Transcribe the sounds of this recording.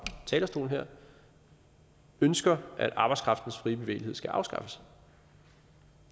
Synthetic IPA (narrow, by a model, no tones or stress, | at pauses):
t͡sʰɛːlɐsd̥o̝ːln̩ɦeɐ̰ | ønsɡ̥ɐʔæɾ̥ʔɑ̈b̥ɑɪskʰʁɑ̈fd̥n̩sfʁiːb̥e̝ʋe̝̰ːlihe̞̰sɡ̥æʔɑ̈ʊsɡ̥ɑ̈fəs